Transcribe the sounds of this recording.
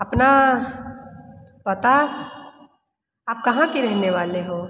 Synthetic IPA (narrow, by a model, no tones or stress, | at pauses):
ɐpna | pɐt̪a | aːp̚kɐɦãkiɾɛɦneʋaːleɦoː